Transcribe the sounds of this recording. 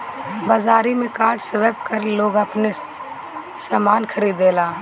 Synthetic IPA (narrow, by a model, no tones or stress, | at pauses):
baːzaːɾimẽkaːɾɖseʋebkəɾloːɡəpne | saːmaːnkʰəɾiːd̪eːlaː